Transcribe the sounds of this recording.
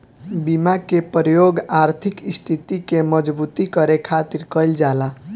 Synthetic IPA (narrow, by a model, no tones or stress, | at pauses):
bimakepɾjoɡaɾt̪ʰikist̪ʰit̪ikemʌd͡ʒbut̪ikʌɾekʰat̪iɾkəjld͡ʒala